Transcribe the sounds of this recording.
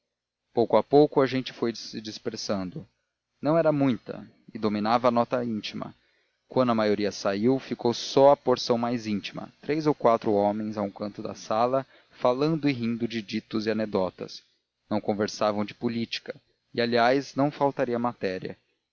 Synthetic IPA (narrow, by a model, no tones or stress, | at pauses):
powkʊapowkʊɐʒẽnt͡ʃɪ̥fojsɪd͡ʒispeɾsɐ̃nd̪ʊ | nɐ̃w̃ɛɾɐmũj̃t̪ɐ̰ | ɪd̪ominavɐːnɔt̪ɐĩt͡ʃimɐ̰ | kwɐ̃nd̪ʊɐmajoɾiɐsaiwfikowsɔɐpoɾsɐ̃w̃majzĩt͡ʃimɐ̰t̪ɾejzowkwat̪ɾʊɔmẽj̃zaũkɐ̃nt̪ʊd̪ɐ̰salɐ | falɐ̃nd̪ʊɪɦĩnd̪ʊd͡ʒɪd͡ʒit̪ʊzɪaned̪ɔt̪ɐ̰s | nɐ̃w̃kõveɾsavɐ̃w̃d͡ʒɪpulit͡ʃi̥kɐ | ɪaliajznɐ̃w̃fawt̪aɾiɐmat̪ɛɾiɐ̰